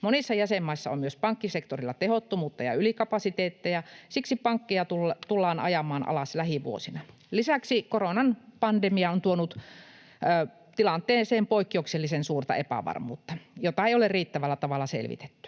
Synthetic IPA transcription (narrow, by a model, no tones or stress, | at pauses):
monisːɑjæsemːɑisːɑo̰mmyøspɑŋkːisekt̪orilːɑt̪ehot̪ːomuːt̪ːɑjɑ̰ylikɑpɑsit̪eːt̪ːejɑsiksipɑŋkːijɑt̪ulːt̪ulːɑːnɑ̰jɑmɑːnʔɑ̰lɑslæhiʋṵo̰sinɑ | lisæksikoronɑnpɑndemiɑont̪uonut̪ | əː | t̪ilɑnt̪ˑeːseːmpoikːiokselːisensuːrt̪ɑ̰epæ̰ʋɑ̰rmṵːt̪ːɑjot̪ɑeiolerriːt̪ːæʋælːæt̪ɑʋɑlːˑɑsḛlʋḭt̪e̥t̪ːy̥